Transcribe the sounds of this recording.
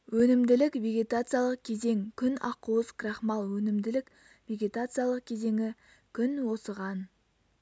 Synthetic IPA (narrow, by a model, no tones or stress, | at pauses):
wɵnɪmd̪ɪlɪkvʲe̞ɡʲe̞t̪at̪sɨjalˠəq̚kʲʰe̞ze̞ŋkʲʰʏnɑ̰quwəzkʰrɑχmɑlˠwɵnɪmd̪ɪlɪk | ve̞ɡʲe̞t̪at̪sɨjalˠəq̚kʲʰe̞ze̞ŋɪ | kʲʰʏnwo̞səʁɑn